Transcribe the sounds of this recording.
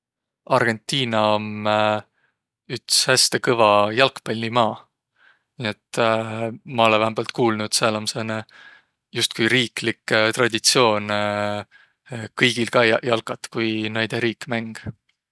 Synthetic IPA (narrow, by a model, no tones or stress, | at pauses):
ɑrɡ̥e̞nt̪ːˑiːnɑom | ykshæst̪ekɤvɑjɑlkpɑlʲnimɑː | niet̪ | mɑo̞levæɦemb̥ɑlt̪kuːlnud̪̥sɑlɑmsene | just̪̚kujɾiːklikːˑt̪rɑd̪̥ʲit̪sio̞ːn | kɤjɡ̥ilkɑːjɑlkɑt̪kujnejd̪̥eɾiːkːmæŋɡ̥